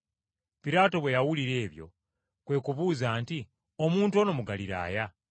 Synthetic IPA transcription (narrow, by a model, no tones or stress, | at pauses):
piɾaːto̞βwe̞jawuliɾe̞ːβjo̞̰ | kwe̞kuβuːzaːnti | o̞muːntuo̞no̞muɡaliɾa̰ːja